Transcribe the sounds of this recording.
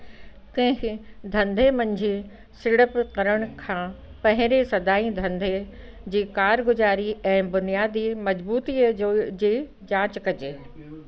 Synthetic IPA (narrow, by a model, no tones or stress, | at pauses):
k̪ɛ̃ːkʰɪd̪ʱɐ̃nd̪ʱemɐ̃ɲd͡ʑʱe | sɪɽəpkɐɾəɽ̃̆kʰãː | pɐ̃ɦɪ̃ɾesɐd̪aːid̪ʱɐ̃nd̪ʱe | d͡ʑiːkaːɾɡʊzaːɾiʔɛ̃ːbʊnijaːd̪imɐd͡ʑbuːt̪id͡ʑeː | d͡ʑãːt͡ɕkɐd͡ʑeː